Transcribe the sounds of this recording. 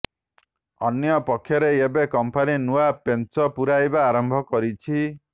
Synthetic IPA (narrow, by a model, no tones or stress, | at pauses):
ɔnjɔpɔkʰːjɔɾeebekɔmpaninuapent͡ʃɔpuɾajbaːɾɔmbʱɔkɔɾit͡ʃʰi